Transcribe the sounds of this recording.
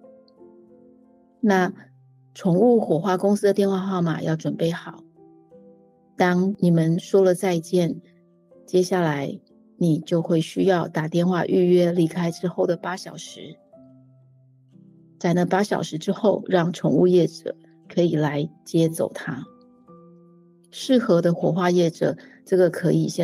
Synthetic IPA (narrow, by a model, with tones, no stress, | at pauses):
na˥˩ | ʈ͡ʂʰʊ˧˥ŋu˥˩xwɔ˨˩xwa˥˩kʊ˥ŋsɹ̩˥d̪ə˨t̪jnxwa˥˧xɑ˥˩ʊma̰˨˩jɑ˥˩ʊʈ͡ʂwə˨˩npe˥˩ɪxɑ˨˩˦ʊ | t̪ɑ˥ŋni˨˩mə˨nʂwɔ˥lə˨t͡sa˥˧ɪ˧t͡ɕjɛ˥˩n | t͡ɕjɛ˥ɕja˥˩la˧˥˦ɪ | ni˨˩t͡ɕjo˥˧ʊxwe˥˩ɪɕy˥jɑ˥˩ʊt̪a˨˩t̪jɛ˥˧nxwa̰˥˧ʔy˥˩ɥɛ˥li˧˥kʰa˥ɪʈ͡ʂɻ̩˥xo˥˩ʊd̪ə˩pa˥ɕjɑ˨˩ʊʂɻ̩˧˥˦ | t͡sa˨˩ɪnə˧pa˥ɕjɑ̰˨˩ʊʂɻ̩˧˥ʈ͡ʂɻ̩˥xo˥˩ʊɻɑ˥˩ŋʈ͡ʂʰʊ˧˥ŋṵ˥˧jɛ˥˩ʈ͡ʂɤ̰˨˩ | kʰɤ˧˥i˨˩la˧˥ɪt͡ɕjɛ˥t͡so̰˨˩ʊt̪ʰa˥ | ʂɻ̩˥˩xɤ˧˥d̪ə˧xwɔ˨˩xwa˥˧jɛ˥˩ʈ͡ʂɤ̰˨˩˦ | ʈ͡ʂɤ˥˩ɡə˩kʰɤ˧˥i˨˩ɕɛ˥˧